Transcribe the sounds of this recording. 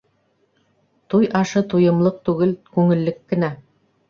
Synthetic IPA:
t̪ujʔɑʃɤt̪ujɤ̆mlˠɤq̚t̪ʉɡɘlkʉŋɘ̆lːɘkːɘ̆næ

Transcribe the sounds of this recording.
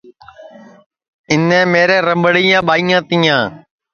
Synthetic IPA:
ɪnɛ̃ːmeːɾɛ̃ːɾəmbəɽiːãːɓaːiːjãːt̪iːãː

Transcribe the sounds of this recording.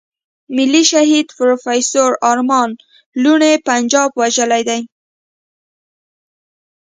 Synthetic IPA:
mɪlːiʃaɦid̪pɾofajsoɾɑɾmɑn | luɳepand͡ʒɑbwaʒəlajd̪aj

